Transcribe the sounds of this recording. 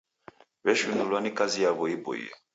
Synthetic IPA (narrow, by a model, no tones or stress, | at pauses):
bɛʃunulwanikazijaβɔibo̰ḭɔ̰